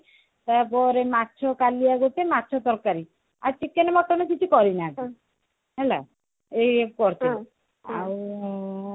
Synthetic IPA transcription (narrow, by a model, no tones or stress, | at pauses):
t̪aɾpɔɾematːt͡ʃʰɔkaliaɡot͡ʃematːt͡ʃʰɔsɔɾkaɾi | a̰t͡ʃikːenemɔʈːɔnɔkit͡ʃʰukɔɾinai | ɦɛla | ekɔɾt͡ʃʰi | a̰w